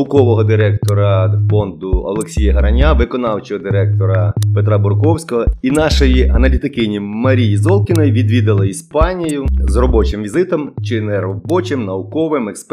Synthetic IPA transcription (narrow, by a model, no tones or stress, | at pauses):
ʊkɔʋɔɦɔd̪ɪɾɛkt̪ɔɾɐfɔnd̪ʊɔ̰lˠeksʲijɐɦɐɾɐnʲaʋɪkɔnɑwt͡ʃɔɦɔd̪ɪɾɛk̚t̪ɔɾɐpet̪ɾabʊrkɔwsʲkɔɦɔinɑʃɔjiɐnɐlʲit̪ɪkɪnʲimɐɾʲijizɔlˠkʲɪnɔjʋʲid̪ʋʲid̪ɪlˠɐispɑnʲijʊzrɔbɔt͡ʃɪmʋʲizɪt̪ɔmt͡ʃɪnɛɾɔbɔt͡ʃɪmnɐʊkɔʋɪmɛksp